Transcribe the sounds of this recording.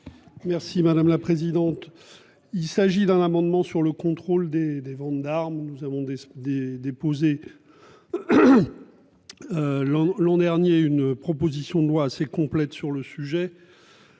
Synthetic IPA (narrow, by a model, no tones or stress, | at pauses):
mɛʁsimad̪amlapχezid̪ɑ̃t̪ | ilsaʒid̪ɛ̃namɑ̃d̪mɑ̃syʁləkɔ̃t̪χold̪ed̪evɑ̃t̪d̪aʁmnuzavɔ̃d̪ed̪ed̪epoze | ølɑ̃lɑ̃d̪ɛʁnjeynpχɔpozisjɔ̃d̪əlwaːsekɔ̃plɛt̪syʁləsyʒɛ